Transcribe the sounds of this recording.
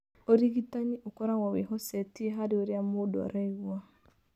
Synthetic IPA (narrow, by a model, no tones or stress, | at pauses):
oɾiɣitaɲiʔokɔɾaɣwaweɦɔsɛtieɦaɾeoɾeamoːdoa̰ɾaiɣwa